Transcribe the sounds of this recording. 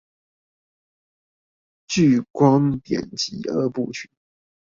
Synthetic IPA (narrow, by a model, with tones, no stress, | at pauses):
t͡ɕy˥˨˩kwɑ˥ŋt̪jɛ̰˨˩nt͡ɕi˧˥ʔə̰˧pṵ˥˩t͡ɕʰy˨˩˦n